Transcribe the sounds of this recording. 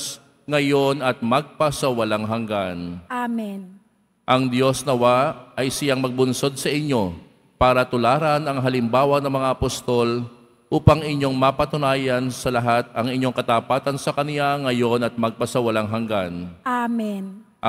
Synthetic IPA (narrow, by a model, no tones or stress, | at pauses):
ŋɐjo̞nɐt̪̚mɐɡ̚pasɐwɐlaŋɦɐŋɡanamɛn | ʔɐŋd̪jo̞snɐwaɐjsɪjaŋmɐɡ̚bʊnso̞d̪̚sɐʔɪɲːo̞ | paːɾɐt̪ʊlaːɾɐnɐŋɦɐlɪmbaːwɐnɐŋmɐŋaʔɐpost̪o̞l | ʔuːpɐŋɪɲːo̞ŋmɐpɐt̪ʊnaːjɐnsɐlɐɦat̪̚ɐŋɪɲːo̞ŋkɐt̪apaːt̪ɐnsɐkɐnlaŋɐjo̞nɐt̪̚mɐɡ̚pɐsɐwɐlaŋɦɐŋɡanamɛn